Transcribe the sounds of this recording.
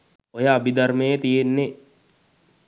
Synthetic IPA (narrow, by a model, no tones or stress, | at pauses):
ojəːbid̪ɐrmejət̪ijenːe